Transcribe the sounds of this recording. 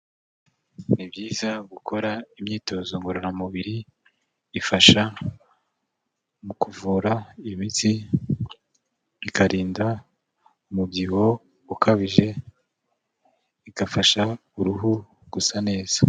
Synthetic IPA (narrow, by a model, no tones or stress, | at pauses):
nibjiːzaɡukʰo̞ɾaimɲiːto̞ːzoŋɡuɾoɾamuβiɾiː | faʃa | mukuvuːɾaimiti | ikaɾiːnda | umubɟiho̞ | ukʰaβiʒe̞ | ikafaʃauɾuɦu | ɡ̥usane̞ːz̥ḁ